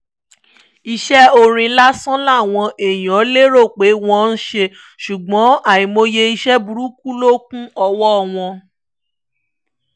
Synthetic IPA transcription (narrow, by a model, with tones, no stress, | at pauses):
i˧ʃɛ˦o˧ɾ̃ĩ˧la˦sɔ̃˦la˦˨w̃ɔ̃˧ʔe˨j̃ɔ̃˨˦le˦ɾo˦˨k͡pe˨˦w̃ɔ̃˦n̩˦ʃe˧ | ʃu˨ɡ͡bɔ̃˨˦a˦˨ĩ˨mo˧je˧i˧ʃɛ˦bu˧ɾu˦ku˦lo˦k̚ũ˦ɔ˧wɔ˦˨w̃ɔ̃˧